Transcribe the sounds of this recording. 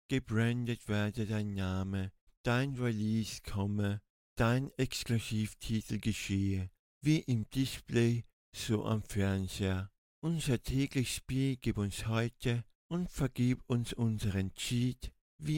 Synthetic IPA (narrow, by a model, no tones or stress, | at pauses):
ɡ̥əbʁɛndətv̥ɛːɐdədaɪnːaːmə | d̥aɪnʁiliːskʰɔmə | d̥aɪnɛkskluziːftʰiːtʰl̩ɡəʃeːə | viːʔɪmd̥ɪspleː | z̥oːʔa̰mfɛɐnzeːɐ | ʔʊnzɐtʰɛːklɪç̥spiːlɡ̥iːpʊnshɔʏtʰə | ʔʊntfɛɐɡ̥iːpʊnsʔʊnzəʁɛnt͡ʃiːt | viː